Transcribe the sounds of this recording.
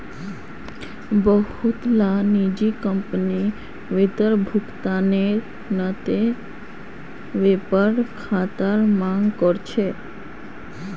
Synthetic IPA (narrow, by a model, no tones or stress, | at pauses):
bɔɦut̪lanid͡ʑikəmpəni | ʋet̪əɾbʱukt̪aneɾ | nat̪e | ʋepəɾkʰat̪aɾmaŋkɔɾt͡ɕʰe